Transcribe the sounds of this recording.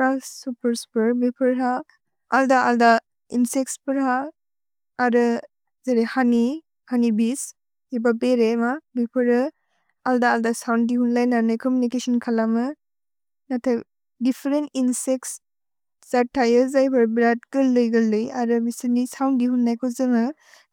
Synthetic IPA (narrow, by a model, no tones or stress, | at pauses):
ɾasupəɾspəɾbipʰəɾɦa | aldaʔalda | insek̚spɯɾhaː | ɾɯ | zeɾehani | hanibis | ibabeɾemabipʰɯɾɯ | aldaːldasawnɡihunlajnanajkʰɔmjunikesɔnkʰalamɯ | natʰaj | dipʰeɾeninseks | z̥aɾtʰajɯzajpʰɯɾbɾat̚ɡ̥ɯlɯjɡɯlɯjaɾɯbisɯnisawnɡiɦunːajkʰɔzɯmɯ